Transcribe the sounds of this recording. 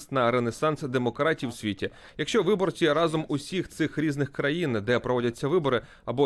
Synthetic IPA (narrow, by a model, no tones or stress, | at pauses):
st̪nɐɾenesɑnsd̪emɔkɾɑtʲiwsʲʋʲitʲi | jɐkʃt͡ʃɔʋɪbɔrt͡sʲiɾɑzɔmʊsʲixt̪sɪxɾʲiznɪxkɾɐjind̪ɛpɾɔʋɔdʲɐt͡sʲːɐʋɪbɔɾɪ | ɐbɔ